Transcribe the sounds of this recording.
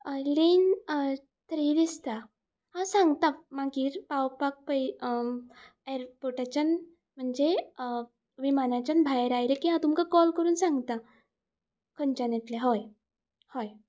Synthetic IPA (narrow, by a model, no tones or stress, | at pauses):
lin | t̪əɾid̪ist̪a | hasãŋɡt̪amaɡiːɾpawpak̚pəj | eɾpoʈat͡ɕən | m̤əɳd͡ʑe | ʋimanat͡ɕanbʱajɾajɾekiɦãt̪umkakɔlkəɾuːnsãŋɡt̪a | kʰənt͡ɕanet̪leɦoj | hoj